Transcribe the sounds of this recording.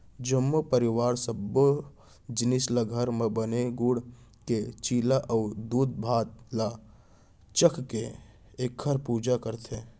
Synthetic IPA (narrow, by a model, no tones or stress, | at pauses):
d͡ʒəmːopəɾɪwaːɾsəbo | d͡ʒɪnɪslaɡʱəɾmẽbəneɡuɽ | ket͡ʃiːlaʔəːd̪uːd̪̚bʱaːt̪la | t͡ʃəkʰke | eːkʰːəɾpuːd͡ʒakəɾt̪ʰe